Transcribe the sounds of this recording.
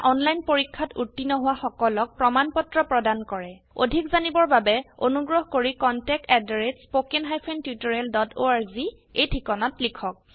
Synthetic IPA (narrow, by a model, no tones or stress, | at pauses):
ʔɔnlajnpoɹikʰːatutːinɔɦʊwaxɔkɔlɔk̚pɹɔmanpɔtɹɔpɹɔdankɔɹɛ | o̰dʱikzanibɔɹbabɛonuɡɹɔɦkoɹikɔntɛk̚tɛdɹetspokenɦajpʰentjutɔɹeldɔtoaɹzi | ejtʰikɔnɔtlikʰɔk̚